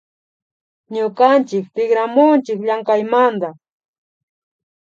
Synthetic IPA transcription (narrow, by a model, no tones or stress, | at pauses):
ɲʊkant͡ʃɪk̚t̪ɪɡɾamʊnt͡ʃɪkʎaŋkajmand̪a